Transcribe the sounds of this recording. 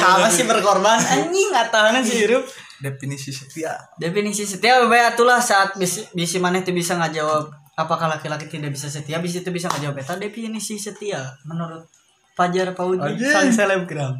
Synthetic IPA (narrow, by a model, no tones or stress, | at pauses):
samasɪbərkorbanəɲɪŋat̪aɦanans̬iiɾʊp̚ | depinisisət̪iadepinisis̬ət̪iabebajat̪ulahsaːt̪̚bisibisimanɛht̪ubisaŋad͡ʒawab̚ | apakahlakilakit̪idaʔbisas̬ət̪iabis̬it̪ubisaŋad͡ʒawabet̪adepinisisət̪iamənuɾʊt̪̚ | pad͡ʒarpaud͡ʒanselɛb̚ɡɾam